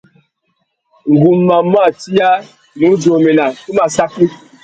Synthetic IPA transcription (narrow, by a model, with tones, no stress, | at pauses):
ŋ̩˨ɡu˨mːa˨mwa˦˨ti˦ja˦ | nu˨˦d͡ʒo˨me˨na˨ku˦ma˨sa˦ki˦